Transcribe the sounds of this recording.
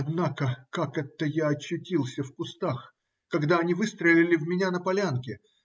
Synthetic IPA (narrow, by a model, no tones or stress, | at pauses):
ɐd̪nakəkakɛt̪ːəjaɐt͡ɕːʊtʲilˠsʲəfkʊst̪ax | kɐɡd̪aɐnʲivɨst̪ɾəlʲɪlʲɪvmʲɪnʲanəpɐlʲankʲɪ